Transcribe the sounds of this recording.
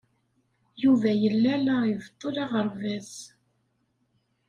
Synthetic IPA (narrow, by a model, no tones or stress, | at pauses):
juvæjəlːælaivt̪ˤːolɑʁəɾvæz